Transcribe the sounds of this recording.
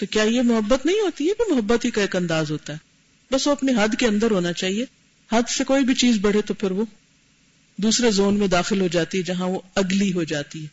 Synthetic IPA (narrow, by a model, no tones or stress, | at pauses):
t̪okjaːjemʊɦəbːət̪nɐɦĩɦoːt̪ijebimʊɦɐbːət̪ɦikaeːkɐ̃nd̪aːzɦoːt̪aɦɛː | bɐsʋoɐpneɦɐd̪ʱkeɐ̃nd̪əɾɦoːnat͡ʃaːɦie | hɐd̪sekoːibʱit͡ʃiːzbɐɽ̤et̪opʰɪɾʋo | d̪uːsɾezoːnmẽd̪aːxɪlɦod͡ʒaːt̪iɦɛd͡ʒɐɦãʋoɐɡliɦod͡ʒaːt̪iɦɛː